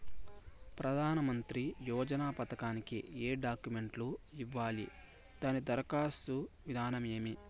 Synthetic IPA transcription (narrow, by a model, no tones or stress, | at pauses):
pɾɐd̪ʱaːnɐmɐnt̪ɾijɔːd͡ʒɐnaːpɐt̪ɐkaːnikḭeːɖaːkjume̞ɳʈluiʋːaːlḭ | d̪aːnid̪ɐɾɐkaːsuʋid̪ʱaːnɐmeːmi